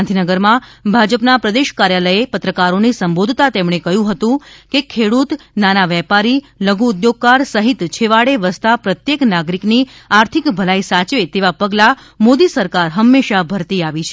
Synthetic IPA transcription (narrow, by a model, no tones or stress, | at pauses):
nd̪ʱinəɡəɾmãbʱad͡ʒəpnapɾəd̪eʃkaɾjaləjepət̪ɾəkaɾonisəmbod̪ʱt̪at̪emɳ̃ekəɦjũɦət̪ũkekʰeɽut̪nanaʋɛpaɾi | ləɡuːd̪joɡ̚kaɾsəɦit̪t͡ʃʰeʋaɭeʋəst̪apɾət̪jeknaɡɾikni | aɾt̪ʰikbʱəlaisat͡ʃʋet̪eʋapəɡla | mod̪isəɾkaɾɦəmːeʃabʱəɾt̪iaʋit͡ʃʰe